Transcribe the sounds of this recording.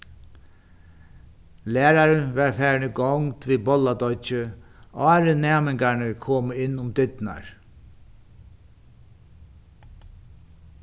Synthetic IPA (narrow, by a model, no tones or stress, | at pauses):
læːɾaɾənʋɛɹfæːɹnəɡɔwŋt̪ʋiːbɔlːad̪ɔt͡ʃə | ɑːɾənæːmɪŋkanəɹkʰoːməɪnːʊmd̪ʏt̪na̰ɹ